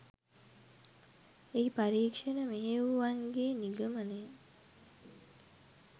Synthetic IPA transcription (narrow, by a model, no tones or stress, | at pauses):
eipaɾiːkʂenəmeɦeʋuʋaŋɡeːniɡəməne